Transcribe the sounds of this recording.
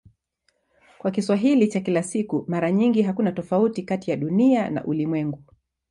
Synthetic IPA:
kwak̬iswaɦilit͡ʃakilasikumaɾaɲiŋɡiɦakunatɔfautikatijaɗuniana̰ʔulimwɛŋɡu

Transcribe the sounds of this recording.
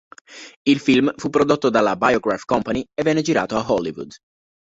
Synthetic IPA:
ilfilmfupːɾod̪ot̪ːod̪alabajoɡɾafkɔmpanievːɛnːed͡ʒiɾa̰ːt̪oaɦɔlːivṵd̪

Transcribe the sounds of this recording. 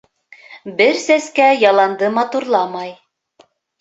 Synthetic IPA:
bɘɾsæskæjɑlˠɑnd̪ɤmɑt̪uɾlˠɑmɑj

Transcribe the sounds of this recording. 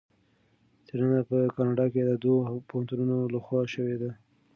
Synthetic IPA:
t̪ʰeɾanapəkɑnɑɖɑked̪əd̪wopohant̪ununolaxwɑʃəwed̪a

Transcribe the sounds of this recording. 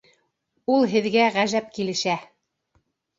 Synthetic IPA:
ulˠɦɘ̆ðɡæʁæʒæp̚kilɘ̆ʃæ

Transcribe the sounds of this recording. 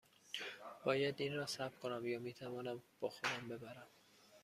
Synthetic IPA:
b̥ɒːjæd̪iːnrɒːsæbkʰo̞næmjɒːmiːt̪ʰævɒːnæmb̥ɒːxo̞d̪æmbe̞bæɾæm

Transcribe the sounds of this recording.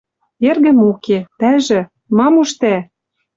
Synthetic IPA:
erɣɘ̆moket̪æʒɘ̆ | mɑmuʃt̪æ

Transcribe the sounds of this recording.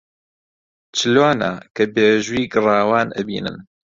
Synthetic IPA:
t͡ʃɨlaːna̰ːkʰɐbeːʒuiːɡɨrɑːwaːnʔɐ̰bḭːnɨ̰n

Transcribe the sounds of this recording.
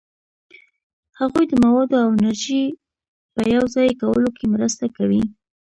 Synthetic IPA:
haɣujd̪əmawɑd̪oawɪnaɾʒi | pəjawzɑjkawə̰lokʰemɾəst̪akawi

